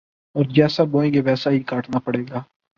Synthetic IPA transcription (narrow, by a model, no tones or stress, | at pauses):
ɔːɾd͡ʒɛːsaːboːẽɡeʋɛːsaːɦikaːʈʰnaːpəɽeːɡaː